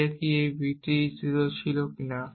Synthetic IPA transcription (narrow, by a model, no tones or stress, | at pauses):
ekiebʱititiɾot͡ɕʰilokina